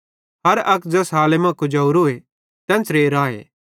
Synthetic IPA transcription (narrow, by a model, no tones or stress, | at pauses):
ɦɐɾɐkd͡zɐsɦaːlemãkʊd͡ʒaːuɾoːe | t̪ɛ̃ːnt͡sɾeːɾãːḛː